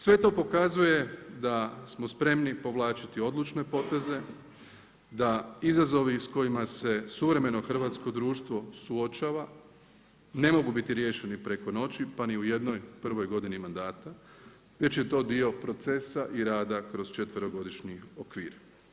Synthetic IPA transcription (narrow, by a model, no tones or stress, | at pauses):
sʋet̪o̞ːpo̞kazuje̞d̪asmo̞spɾe̞mnipo̞ʋlˠaːt͡ʃit̪io̞d̪lˠut͡ʃne̞po̞t̪e̞ze̞ | d̪aizazo̞ʋisko̞jimase̞suʋɾe̞me̞no̞xr̩ʋaːt̪sko̞d̪ɾuːʃt̪ʋo̞suot͡ʃaːʋa | ne̞mo̞ɡubit̪iɾje̞ːʃe̞nipɾe̞ko̞no̞t͡ɕipaniuje̞d̪no̞jpr̩ʋo̞jɡo̞d̪inimand̪aːt̪a | ʋe̞t͡ɕje̞t̪o̞ːd̪io̞pɾo̞t̪se̞saʔiɾaːd̪akɾo̞zt͡ʃe̞t̪ʋəɾoɡo̞d̪iʃɲiokʋḭːɾ